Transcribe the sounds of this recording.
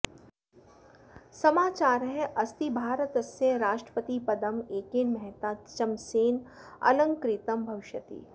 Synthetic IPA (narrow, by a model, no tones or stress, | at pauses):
sɐmaːt͡ʃaːɾɦɛʔɐst̪ibʱaːɾət̪ɐseɾaːʃʈɾə̥pət̪ipɐd̪əmeːkeːnmɛɦt̪aːt͡ʃɐmseːn | ɐ̰lə̃ŋkɾɪt̪əmbʱɐʋɪʃjət̪ḭː